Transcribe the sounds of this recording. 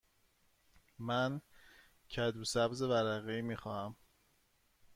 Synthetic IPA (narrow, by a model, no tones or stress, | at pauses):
mæn | cʰæd̪usæbze̞væɾæɣeiːmiːxɒːhæm